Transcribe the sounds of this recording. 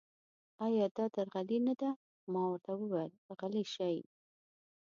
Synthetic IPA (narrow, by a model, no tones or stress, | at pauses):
ɑjɑd̪ɑd̪aɾɣalinad̪a | mɑwaɾt̪awəwelɣaliʃaj